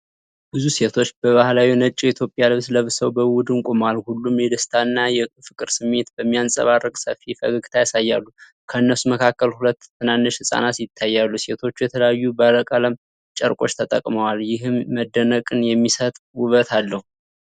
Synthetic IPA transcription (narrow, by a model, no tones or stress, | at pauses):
bɨzuse̞t̪ʰo̞t͡ʃːbəβahlawinət͡ʃʼiit̪ʰjo̞pʼːjalɨβsləβsəwbəwʊd̪ɨnkʼomalhulːumjɛd̪əst̪ʰanːajɛfɨkʼɨɾsɨmːe̞t̪bəmːijansʼə̰βarːəkʼsə̰fːifə̰ɡɨɡt̪ʰajasajːalːu | kʰəɨnːəsuməkʰakːəlhulət̪ːɨnanːɨʃhɨsʼa̰nat̪jɪt̪ʰːajːalːuse̞t̪ʰo̞t͡ʃːujɛt̪ʰələjajːubəɾəkʼaləm | t͡ʃʼə̰ɾkʼo̞̰t͡ʃːt̪ʰət̪ʼə̰kʼməwaljɪɦɨmːəd̪ːənəkʼɨnjɛmːisət̪ʼwuβət̪ʰalːəhu